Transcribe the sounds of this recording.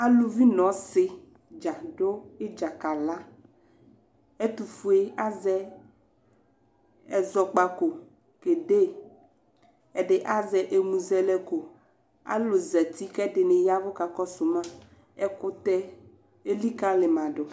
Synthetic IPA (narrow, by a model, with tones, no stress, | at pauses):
a˦lu˦vi˦nɔ̃˨˦sɪ˦ | d͡ʒa˨ɖo˦e˦d͡ʒa˨ka˨la˦ | e˦t̪u˨fu˦e˦a˦zɛ˦ | ɛ˨zɔ˨k͡pa˨ko˨ | ke˨ɖe˦ | ɛ˨ɖe˦ʔa˦zɛ˨ʔe˨mũ˨zɛ˦lɛ˦ko˨ | a̰˦lo˨zɛ˨t̪i˦kɛ˦ɖe˨ne˨ja˦vo˦ka˨kɔ˦so˨mã˦ | ɛ˦ko˦t̪ɛ˦ | e˦li˦kã˦le˨mã˨ɖo˨